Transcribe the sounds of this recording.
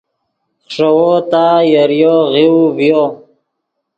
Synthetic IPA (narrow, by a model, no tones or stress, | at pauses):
χʂewot̪ajaɾjoɣiwvjo